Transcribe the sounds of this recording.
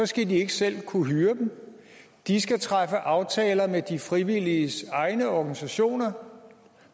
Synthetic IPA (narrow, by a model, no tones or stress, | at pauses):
ɒ̽sɡ̥ædie̝ɡ̥əsel̰kʰuɦyːɐd̥em̩ | d̥isɡ̥æt͡sʰʁafəʔɑ̈ʊt͡sʰɛːlɐmed̥ifʁiʋiliəsɑ̈ɪnəɒɡ̥ænisæɕo̝̰ːnɐ